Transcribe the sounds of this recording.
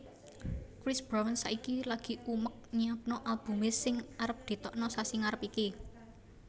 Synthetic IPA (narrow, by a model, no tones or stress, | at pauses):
kɾɪsb̥ɾawənsaʔikilaɡ̥i̤ʔumək̚ɲiap̚nɔʔalb̥ṳmɪsːɪŋaɾəp̚d̪̥i̤t̪ɔʔnɔsasiŋaɾəpiki